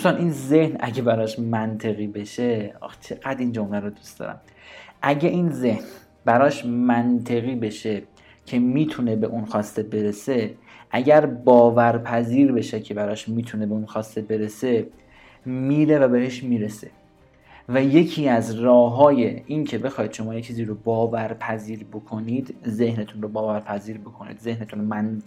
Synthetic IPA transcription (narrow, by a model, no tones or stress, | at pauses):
d̪ust̪ɑːnʔiːnze̞hnæ̰ɟebæɾɒːʃmænt̪ʰe̞ɣiːbe̞ʃet͡ʃʰe̞ɣæd̪ind͡ʒomlæɾod̪ust̪ɒ̰ːɾæ̰m | ʔæɟeʔiːnze̞hn | bæɾɒːʃmænt̪ʰe̞ɣiːbe̞ʃe̞ | cʰemiːt̪ʰune̞be̞ʔunxɒːst̪e̞be̞ɾese̞ | ʔæɟæɾbɒːvæɾpʰæziːɾbe̞ʃecʰe̞bæɾɒːʃmiːt̪ʰune̞beunxɒːst̪e̞be̞ɾe̞se̞ | miːɾe̞væbe̞ɦe̞ʃmiːɾe̞se̞ | væje̞cʰiːæzrɒːɦɒːje̞ʔincʰe̞be̞xɒːid̪ʃo̞mɒːjet͡ʃʰiːziːɾobɒːvæɾpʰæziːɾbo̞kʰo̞niːd̪ze̞hnet̪ʰunrobɒːvæɾpʰæziːɾbo̞kʰonḭd̪ze̞hnet̪ʰunɾomæn